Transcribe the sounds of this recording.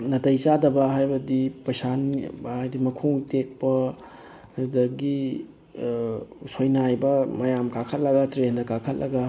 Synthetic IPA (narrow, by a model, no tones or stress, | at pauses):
nɐtɐjt͡ʃadɐbɐɦajbɐdipɐjsanhajdimɐkʰoŋtek̚pɐ | ɾudɐɡi | sojnajbɐmɐjamkakʰɐt̚lɐɡɐtɾendɐkakʰɐt̚lʔɐɡɐ